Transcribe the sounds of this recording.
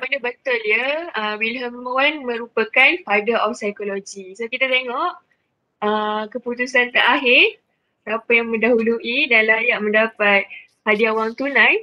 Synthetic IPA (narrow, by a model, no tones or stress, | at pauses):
məndəbət̪ʊljəəwilɦəmawanmə̃ɾupəkanfadəɾʔɔfsajkolod͡ʒisokit̪at̪eŋɔʔ | əkəput̪usant̪əɾaɦɪr | apajaŋmə̃ndaɦuluʔidanlajaʔmə̃ndapat̪̚ | hadiawaŋt̪unãj